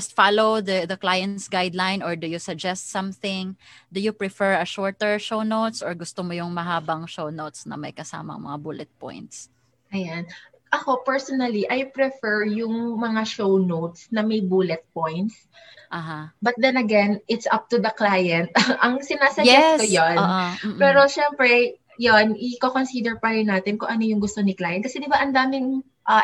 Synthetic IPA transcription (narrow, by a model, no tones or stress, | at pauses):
ɐst̪falowd̪ɐd̪ɐklajɐnt̪sɡajd̪lajnɔɹd̪ʊjʊsɐd͡ʒɛst̪sɐ̃mθɪŋd̪ʊjʊpɹɪfɛɹɐʃɔɹt̪ɛɹʃownowt̪sʔɔɹɡʊst̪omojʊŋmɐɦaːbɐŋʃownowt̪snɐ̰mɐ̰jkɐsa̰ːmɐ̰ŋmɐ̰ŋa̰buːlɛt̪̚pɔ̰jnt̪̚s | ʔɐjan | ʔɐkopɛɹsɔnɐliʔajpɾɛfɛɹjʊŋmɐŋaʃownowt̪snɐmɐjbuːlɛt̪̚pojnt̪s | ʔaɦabɐt̪̚d̪ɛnɐɡɛnʔɪt̪sʔɐp̚t̪ud̪ɐklajɛnt̪̚ʔɐŋsɪnaːsɐɛkojonpɛːɾo̞ʃɛmpɾɛ | jonʔɪkokonsid̪ɛɹpɐɾɪnːaːt̪ɪnkʊŋʔɐnojʊŋɡʊst̪onɪklaːjɛn̚kɐsɛd̪ɪbaʔɐnd̪aːmɪŋ | ʔɐ